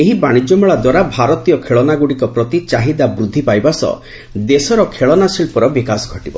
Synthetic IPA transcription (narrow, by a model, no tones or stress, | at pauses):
eɦibaɽ̃id͡ʒɔmuɭad̪waɾabʱaɾɔt̪ijɔkʰeɭɔnaɡuɽikɔpɾɔt̪it͡ʃaɦid̪abɾud̪ʱːipajbasɔ̰ | d̪esɔɾɔkʰeɭɔnasilpɔɾɔbikasɡʱɔʈibɔ̰